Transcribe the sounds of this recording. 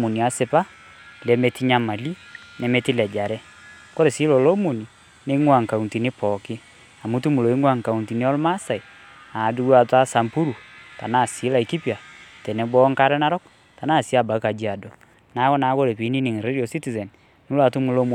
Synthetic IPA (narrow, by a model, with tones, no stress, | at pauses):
mu˨ni˨a˨˦sɪ˨pa˦ | lɛ˨me˨ti˦ɲa˦ma˨li˦nɛ˨me˦ti˦lɛ˨d͡ʒa˨ɾɛ˦ | ko˦ɾe˨si˦lo˨lo˦mo˨ni˨ | ne˦ŋwa˨ŋka˨u˨nti˨ni˦pɔ˨kɪ˦ | a˨mu˦tu˦mu˨lo˨i˦ŋwa˦˨ŋka˨u˨nti˨ni˦ɔ˦lma˦sa˨i˨ | a˨du˦a˨ta˦sa˨mpu˦ɾu˨ta̰˨na˦˨si˨˦la˨i˨ki˦pi˨a˨tɛ˨nɛ˨˦bɔ˦ŋka˦ɾɛ˦na˦ɾɔ˦k̚ | ta˨na˦˨si˦a˦˨ba˨ka˨d͡ʒi˦a˨dɔ˨ | na˨˦kɔ˦na˨˦ko˦ɾe˨pi˨˦ni˦nɪ˨ŋ˨ɾe˦di˨ɔ˨si˦ti˨zɛ˨n | nu˦la˨tu˦mu˨lo˦m˨